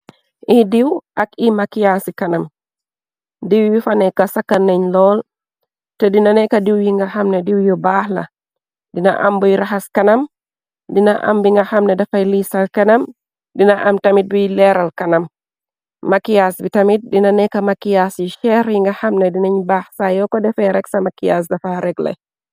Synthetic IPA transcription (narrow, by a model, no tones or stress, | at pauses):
ʔidiwʔakimakijasikanam | diwbifanɛkasakːanːaɲlɔl | tɛdinanɛkadiwjiŋɡahamnɛdiwjɔbahla̰ | dina̰ʔa̰mbɔjɾaɦaskanam | dinaʔa̰mbiŋɡahamnɛdafajlisalkanam | dinaʔamtamit̚bijlɛɾalkanamː | akijasbitamit̚dinanɛkamakijasjiʃɛɾjiŋɡahamnɛdinaɲbaːhsajɔkɔdɛfɛɾɛksamakijas̬dafaɾɛɡlɛ̰